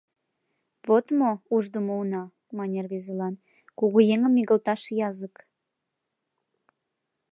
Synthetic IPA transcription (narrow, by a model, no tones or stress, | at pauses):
vot̪mouʒd̪umounɑ | mɑnʲerβezelɑn | kuɣojeŋəmːiɣəlt̪ɑʃjɑzək